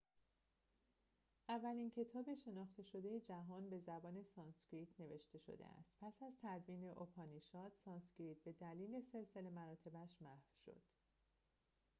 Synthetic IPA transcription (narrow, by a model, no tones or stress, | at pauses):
ʔævːælincʰe̞t̪ʰɒːbe̞ʃe̞nɒːχt̪e̞ʃo̞d̪e̞jed͡ʒæɦɒːnbe̞zæbɒːne̞sɒnskɾiːt̪ʰne̞ve̞ʃt̪e̞ʃo̞̰d̪ḛæ̰st̪pʰæsæzt̪ʰæd̪viːne̞ʔopʰɒːniʃɒːd̪sɒːnscɾiːt̪̚be̞d̪æliːle̞se̞lse̞le̞mæɾɒːt̪ʰe̞bæʃmæhfʃo̞̰d̪̥